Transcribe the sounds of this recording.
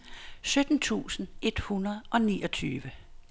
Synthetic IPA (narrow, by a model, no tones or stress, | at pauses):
sød̥n̩t͡sʰṵːsn̩e̝d̥hunɐð̞ˠʔɒ̽niːʔɒ̽t͡sʰyːʋə